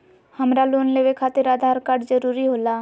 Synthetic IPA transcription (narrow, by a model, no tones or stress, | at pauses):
həmɾaloːnleːʋekʰaːt̪ɪɾaːd̪ʱaːɾkaːɖd͡ʒəɾuːɾiɦoːlaː